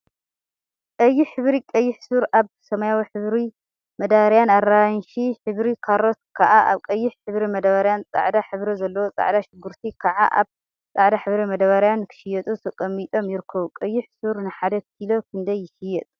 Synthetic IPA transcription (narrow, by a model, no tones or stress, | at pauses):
kʼɐjːiħɨβɾikʼɐjːɪħsuɾʔaβsɐmajawiħɨβɾi | mɐd̪aβaɾjanarːanʃiħɨβɾikʰaɾot̪kʰaʔaʔa̰βkʼɐjːɪħħɨβɾimɐd̪aβaɾjant͡sʼa̰ʕd̪aħɨβɾɐzɐlːɐwot͡sʼa̰ʕd̪aʃɪɡːuɾt̪ʰikʰaʕa̰ʔa̰β | t͡sʼaʕd̪aħɨβɾimɐd̪aβaɾjankʰɨ̥ʃɪjɛt̪ʼut̪ʰɐkʼɐmːit̪ʼo̞mjɪɾɨkʰːɐβukʼɐjːɪħsuɾnɨħad̪ɐkilo̞kʰɨnd̪ɐjːɪʃɪjɛt̪ʼ